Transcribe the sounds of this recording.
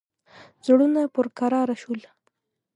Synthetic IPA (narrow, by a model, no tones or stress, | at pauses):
zɽunapʊɾkaɾɑɾaʃul